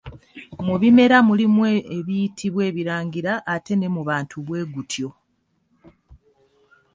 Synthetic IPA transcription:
muβime̞ɾamulimweeβijitʰiβwe̞ːβiɾaːŋɡiɾaʔːte̞ne̞muβaːntʰuβwe̞ːɡutʰjo̞

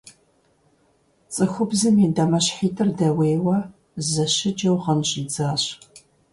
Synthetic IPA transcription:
t͡sʼɨxʷʊbzɨmiːdɐmɐɕħiːtʰɨrdɐweːwɐ | zɐɕɪd͡ʒɐwʁɐnɕʼiːd͡zaːɕ

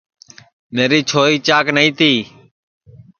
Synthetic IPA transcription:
meːɾiːt͡ʃʰoːɾiːt͡ʃaːknəĩːt̪ʰiː

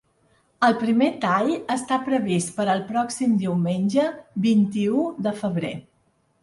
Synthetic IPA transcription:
əlˠpɾimet̪aʎəst̪apɾəβist̪pəɾəlˠpɾɔksimd̪iwmenʲʒəbint̪iuðəfəβ̞ɾḛ

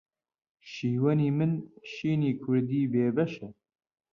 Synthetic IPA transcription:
ʃiːwɐniːmɨnʃiːniːkʰʊɾd̪iːbeːbɛʃɛ

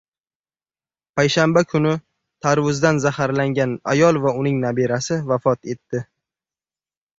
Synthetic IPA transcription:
pʰajʃambakʰʊnɪ | t̪ʰaɾvʊzd̪anzahaɾlaŋɡʲana̰jɒlˠvaʊnɪŋnabiɾasɪvafɒt̪e̞t̪ːɪ

